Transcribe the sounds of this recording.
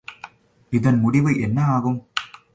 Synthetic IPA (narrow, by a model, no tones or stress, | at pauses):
ɪðɐnmʊɽɪʋɐɪʔɛnːɐaːɣɯm